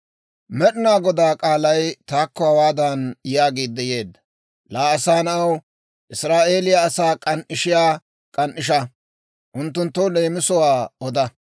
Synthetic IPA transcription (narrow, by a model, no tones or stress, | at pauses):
mɛɗɪnaːɡɔd̪aːkʼaːlɐjt̪aːkːɔhɐwaːd̪ɐnjaːɡiːd̪ːɛje̞ːd̪ːɐ̥ | laːɐsaːnɐw | ʔɪsɾaːʔe̞ːlɪjɐːsaːkʼɐnʔɪʃɪjaː | kʼɐnʔɪʃ̬ɐ | ʔʊnt̪ːʊnt̪ːɔle̞ːmɪsɔwaːɔd̪ɐ